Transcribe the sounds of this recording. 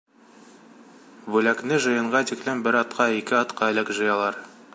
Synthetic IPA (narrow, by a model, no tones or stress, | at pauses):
bʉlæknɘʒɤ̆jɤ̆ɴɢɑt̪iklɘmbɘɾɑt̪qɑikɘɑt̪qɑɘ̆lɘkʒɤ̆jɑlˠɑɾ